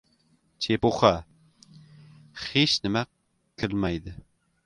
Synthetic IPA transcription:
t͡ʃʰepoχɑ | χeʃnɪmɛq | kʰʲːɪlmɛjd̪ɨ

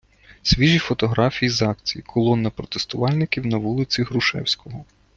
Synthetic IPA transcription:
sʲʋʲiʒifɔt̪ɔɦɾɑfʲijizɑkt͡sʲijikʰɔlˠɔnːɐpɾɔt̪e̥st̪ʊʋɑlʲnɪkʲiwnɐʋulˠɪt͡sʲiɦɾʊʃɛ̰wsʲkɔɦɔ

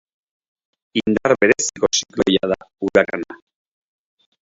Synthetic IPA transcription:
ind̪aɾbe̞ɾesiko̞siklo̞jað̞auɾakana

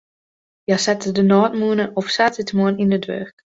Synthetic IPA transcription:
jasɛtədənɔːtmuənəʔɔfsatɪtmuənindədʋø̰ːrk

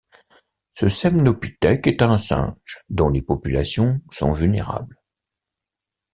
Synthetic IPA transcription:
səsɛmnɔpit̪ɛkɛt̪ɛ̃sɛ̰̃ʒd̪ɔ̃lepɔpyla̰sjɔ̃sɔ̰̃vylnḛʁa̰bl

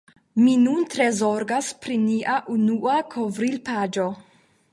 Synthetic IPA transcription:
minuntɾezoɾɡaspɾiniʔaʔunuakʰovɾilpad͡ʒo̞

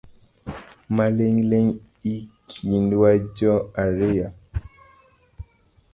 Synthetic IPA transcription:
maleŋleŋ | ikʰindwad͡ʒɔaɾeja

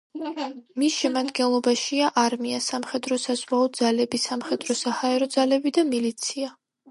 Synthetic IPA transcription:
misʃɛmad̪ɡɛnlˠɔbaʃiaʔaɾmiasamχɛd̪ɾɔsazvwaɔd̪zalɛbisamχɛd̪ɾɔsahaɛɾɔd̪zalɛbid̪amilit̪sʰia

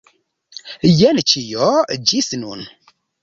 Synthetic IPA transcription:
jɛnt͡ʃijɔd͡ʒisnun

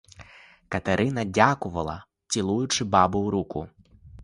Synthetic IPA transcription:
kɐt̪ɛɾʔɪnɐdʲakʊʋɐlˠɐ̰ | t͡sʲilˠujʊt͡ʂɪbɑbʊwɾukʊ

